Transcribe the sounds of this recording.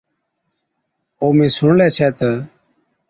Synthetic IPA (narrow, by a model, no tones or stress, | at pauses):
oːmẽːsʊɳlɛːt͡ʃʰɛːt̪əː